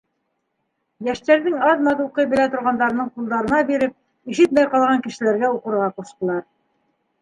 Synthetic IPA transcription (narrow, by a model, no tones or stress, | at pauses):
jæʃt̪æɾðɘŋɑðmɑðuqɤjbɘ̆læt̪ŏɾʁɑnd̪ɑɾɤ̆nɤɴqulˠd̪ɑɾɤ̆nɑbiɾɘp̚ | iʃɘt̪mæjqɑlˠʁɑŋkɘ̆ʃɘ̆læɾɡæuqɤ̆ɾʁɑquʃt̪ɤ̆lˠɑɾ